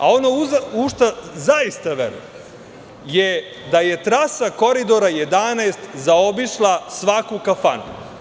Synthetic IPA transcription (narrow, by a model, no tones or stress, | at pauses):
a̰o̞nouzuʃt̪azaist̪aʋḛɾṵje | je | d̪aje̞t̪ɾasako̞ɾid̪o̞ɾajed̪anaːst̪zao̞biʃlˠasʋakukafa̰nṵ